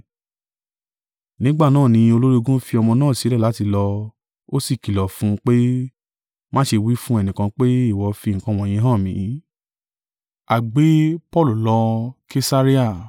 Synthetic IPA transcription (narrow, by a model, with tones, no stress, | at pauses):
nĩ˨˦ɡ͡ba˦˨nãː˦˨nĩ˧o˧lo˦ɾi˦o˧ɡũ˦fi˧ɔ˧mɔ̃˧nãː˦˨si˨˦ɾɛ˦˨la˨˦ti˧lɔ˧ | o˦si˦˨ki˨lɔ˨fũ˨˦k͡pe˦ | mã˦ʃe˧wi˦fũ˦ɛ˦˨nĩ˨kã˧k͡pe˦i˦˨wɔ˨fi˧˨ŋ̩˨kã˧˦˨w̃ɔ̃˨j̃ĩ˧˦ɦã˦˨mĩ˨˦ | a˨ɡ͡be˦pɔ˦˨lu˨lɔ˧ke˦sa˦ɾi˦a˦˨